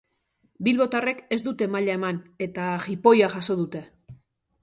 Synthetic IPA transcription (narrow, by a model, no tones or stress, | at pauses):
bilβo̞t̪are̞ke̞zd̪ut̪e̞maʎae̞mane̞t̪axipo̞jaʝaso̞ð̞ut̪e̞